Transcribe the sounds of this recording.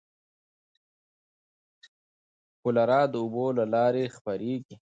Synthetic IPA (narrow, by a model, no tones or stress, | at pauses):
kʊlaɾɑd̪əʊbolalɑɾexpəɾeɡi